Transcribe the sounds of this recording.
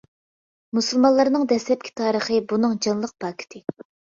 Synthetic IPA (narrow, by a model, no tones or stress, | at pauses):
musɨlˠmɑnlˠɑɾnɨŋd̪ɛslɛp̚kʲʰi̥t̪ʰɑːɾəχəbunɨŋd͡ʒɑnlˠəq̚pɑːkʲʰi̥t̪ʰɪ